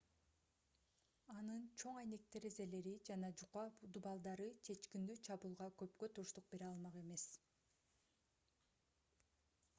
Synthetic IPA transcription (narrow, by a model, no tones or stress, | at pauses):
ɑnɯnt͡ʃʰo̞ŋɑjne̞k̚t̪e̞ɾeze̞le̞ɾid͡ʒɑnɑd͡ʒud̪ubɑlˠd̪ɑɾɯt͡ʃʰe̞t͡ʃkind̪yt͡ʃʰɑβuːlˠʁɑkø̞pkøt̪uʃt̪uq̚biɾɑlˠmɑqe̞me̞s